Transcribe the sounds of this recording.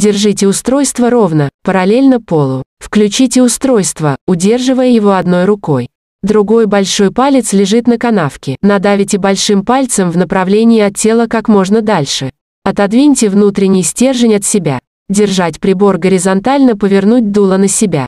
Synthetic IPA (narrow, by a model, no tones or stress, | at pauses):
dʲɪrʐɨtʲɪʊst̪ɾo̞jst̪vəɾo̞vnəpəɾɐlʲelʲnəpolˠʊfklʲʉt͡ɕitʲɪʊst̪ɾo̞jst̪vəʊdʲe̞rʐɨvəjəjɪvo̞ɐd̪no̞jɾʊko̞j | d̪ɾʊɡo̞jbɐlʲʂo̞jpalʲɪt̪slʲɪʐɨt̪nəkɐnafkʲɪnɐd̪avʲɪtʲɪbɐlʲʂɨmpalʲt̪səmvnəpɾɐvlʲenʲɪɪɐt̪̚tʲːe̞lˠəkakmo̞ʐnəd̪alʲʂɨ | ɐt̪ɐd̪vʲinʲtʲɪvnut̪ɾʲɪnʲɪjsʲtʲe̞rʐɨnʲɐt̪sʲɪbʲa | dʲɪrʐatʲpɾʲɪbo̞rɡəɾʲɪzɐnt̪alʲnəpəvʲɪrnut̚ʲd̪ulˠənəsʲɪbʲa̰